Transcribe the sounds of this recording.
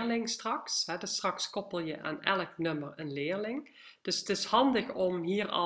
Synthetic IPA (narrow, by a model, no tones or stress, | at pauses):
lɪŋstrɑksɦɛdəstrɑkskɔpəlˠjəʔa̰ːnɛləknɵmərənlɪːɹlɪŋ | d̥ɵsətɪshɑndəxɔmɦiːrɑ̰